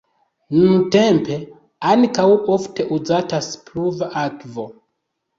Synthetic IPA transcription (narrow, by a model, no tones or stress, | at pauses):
nunute̞mpe̞ | ankawʔofte̞ʔuzataspluvaʔakvo